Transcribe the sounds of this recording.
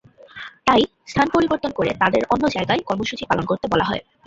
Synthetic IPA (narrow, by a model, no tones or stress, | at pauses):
t̪aj | st̪ʰanpoɾiboɾt̪onkoɾḛt̪ad̪eɾʔonːod͡ʑaeɡaekɔɾmoʃut͡ɕipalonkoɾt̪ebɔlaɦɔ̰e